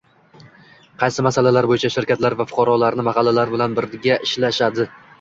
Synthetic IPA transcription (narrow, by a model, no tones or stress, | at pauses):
qʰɑjsɪmasalalaɾbojɪt͡ʃʰaʃɪɾkʲat̪laɾvafʊ̥qʰɑɾɒlaɾnɪmahɑlˠːalaɾbɪlanbɪɾɡʲaʔɪʃlaʃad̪ɪ